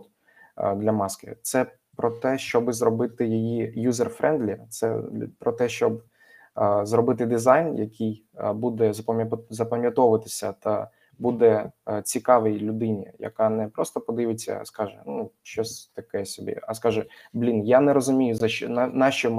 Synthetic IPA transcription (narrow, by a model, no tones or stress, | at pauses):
d̪lʲɐmɑskɪ̰t̪sɛ | pɾɔt̪ɛʃt͡ʃɔbɪzɾɔbɪt̪ɪjijijuzerfɾʔɛnd̪lʲit̪sɛ̰pɾɔt̪ɛʃt͡ʃɔb | zɾɔbɪt̪ɪd̪ɪzɑjnjɐkij | bud̪ɛzɐpɐzɐpɐmʲjɐt̪ɔʋɐt̪ɪsʲɐt̪ɐ | bud̪ɛt͡sʲikɑʋɛjlʲʊd̪ɪnʲḭjɐ̰kɑnɛpɾɔst̪ɔpɔd̪ɪʋɪt͡sʲːɐ̰skɑʒɛ̰nuʃt͡ʃɔsʲt̪ɐkɛsʲɔbʲḭɐskɑʒɛblʲinjanɛɾɔzʊmʲijʊzɐnnɑʃɔm